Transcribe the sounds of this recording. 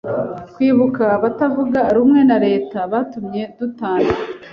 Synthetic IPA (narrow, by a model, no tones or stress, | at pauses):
kwiːβukaβatavuɡaɾumŋe̞naɾe̞ːtaβatumɲe̞dutaːna